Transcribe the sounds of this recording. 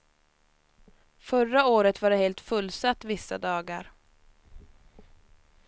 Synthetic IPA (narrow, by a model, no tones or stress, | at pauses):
fœɾaoːɾət̪vaɖɛheːlt̪fɵlːsat̪ːvɪsːad̪ɑːɡaɾ